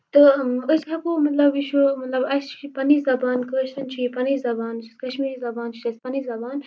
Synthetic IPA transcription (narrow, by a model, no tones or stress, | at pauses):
t̪ɨəsɐkomɐt̪lɐbiʃʰumɐt̪lɐbɐst͡ʃʰipɐnizɐbaːnkəːʃt̪ɐnt͡ʃʰiipɐnizɐbaːnt͡ʃʰiskɐʃmiːɾizɐbaːnt͡ʃʰi̥t̪ɐsʲpɐnizɐbaːn